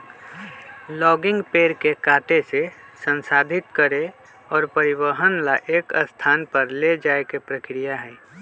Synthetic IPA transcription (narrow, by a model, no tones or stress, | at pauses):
lɔːɡɪ̃ŋɡpeːɾkekaːʈesesə̃nsaːd̪ʱɪt̪kəɾe | ɔːɾpəɾɪbəɦənlaʔeːkəst̪ʰaːnpəɾled͡ʒaːekepɾəkɾijaɦɛː